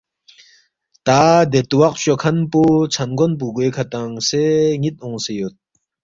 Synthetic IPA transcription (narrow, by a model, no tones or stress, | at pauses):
t̪ad̪et̪uwaq̚ɕokʰanput͡sʰanɡonp̬uɡokʰat̪aŋseŋit̪̚oŋsejot̪̚